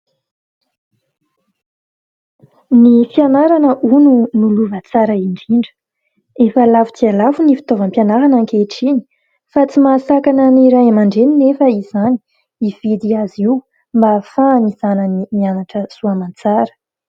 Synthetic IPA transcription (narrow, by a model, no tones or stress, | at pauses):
nifianaɾanəʔununuluvət͡saɾəiɳɖ͡ʐiɳɖ͡ʐə̥ | efəlavu̥t͡s̪ialavunifi̥t̪ovəmpjanaɾanaŋkeʈ͡ʂini̥ | fat͡simaːsakanəniɾajamaɳɖ͡ʐeninefəiz̥ani̥ | iv̥id̪iaziw | mbafaniz̥anənimianaʈ͡ʂəsuamant͡saɾə̥